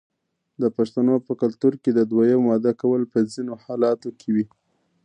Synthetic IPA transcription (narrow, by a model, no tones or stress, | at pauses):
d̪əpaʃt̪anopəkalt̪uɾked̪əd̪wajamwɑd̪akawəlpəzinohɑlɑt̪okʰewi